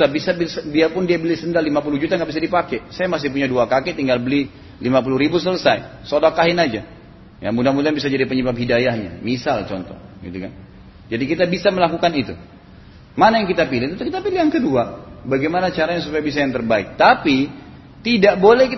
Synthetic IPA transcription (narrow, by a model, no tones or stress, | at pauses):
abisabsdiapʊndiabəlisəndalimapuluɦd͡ʒut̪aŋɡaʔbisadipakɛsajamas̬ɪhpuɲaduakakɛt̪iŋɡalbəli | limapuluɾibus̬ələsajsodakaɦɪnad͡ʒa | ja̰mudamudanbisad͡ʒadipəɲəbap̚ɦidajahɲa̰misalt͡ʃɔnt̪ɔ̰hɡḭt̪ukan | d͡ʒadikit̪abisaməlakukanit̪ṵ | manajaŋkit̪apilɪht̪ut̪ukit̪apiliɦaŋkəduabaɡejmanat͡ʃaɾajaŋsupajabis̬ajaŋt̪ərbaɪk̚t̪api | t̪idaʔbolɛhkit